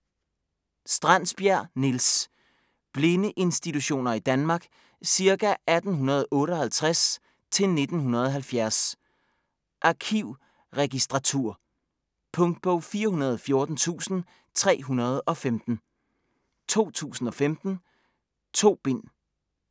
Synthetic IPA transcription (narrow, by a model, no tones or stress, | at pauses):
sd̥ʁɑn̰sb̥jæɐ̰nils | b̥le̝nəʔe̝nsd̥it͡sʰuɕo̝̰ːnɐid̥ænmɑ̈ːɡ̥ | siɐkæʔæd̥n̩ɦunɐð̞̩ˠɔ̽ːɾəɒ̽hælt͡sʰʁas | t͡sʰe̝lne̝d̥n̩ɦunɐð̞ˠɒ̽ɦælfjæɐs | ʔɑ̈kʰiʊ̰ | ʁɛɡ̥isd̥ʁɑ̈t͡sʰuɐ̰ | pʰɔ̽ŋd̥̚b̥ɔ̽ʊ̰fiːɐɦunɐð̞ˠɒfjo̝ɐd̥n̩t͡sʰṵːsn̩ | t͡sʰʁɛ̰ːɦunɐð̞ˠɒ̽femd̥n̩ | t͡sʰo̝̰ːt͡sʰṵːsn̩ɒ̽femd̥n̩ | t͡sʰo̝̰ːb̥e̝n̰